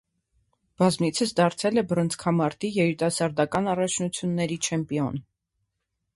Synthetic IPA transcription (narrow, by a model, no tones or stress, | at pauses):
b̥ɑzmit͡sʰəsd̪ɑɾt͡sʰɛlɛbəɾənt͡sʰkʰɑmɑɾt̪ijɛɾit̪ɑsɑɾd̪ɑkɑnɑrɑt͡ʃʰnut͡sʰjunːɛɾit͡ʃʰɛmpiɔn